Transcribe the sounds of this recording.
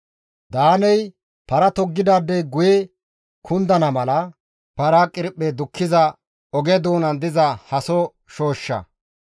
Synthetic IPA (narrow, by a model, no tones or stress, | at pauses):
d̪aːnɛj | pɐɾɐt̪ɔɡːɪd̪aːd̪ɛɡʊjɛ | kʰʊnd̪ɐnɐmɐlɐ | pɐɾakʼɪɾpːɛd̪ʊkːɪzɐ | ɔɡɛd̪oːnɐnd̪ɪzɐhɐsɔ | ʃoːʃːɐ̰